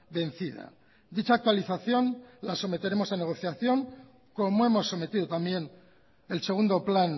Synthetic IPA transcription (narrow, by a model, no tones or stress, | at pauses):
be̞nθið̞a̰ | d̪it͡ʃaːk̚t̪waliθaθjo̞nlaso̞me̞t̪e̞ɾe̞mo̞sane̞ɣ̞o̞θjaθjo̞ŋ | ko̞moe̞mo̞sːo̞me̞t̪iðo̞t̪ambje̞n | else̞ɣund̪o̞plan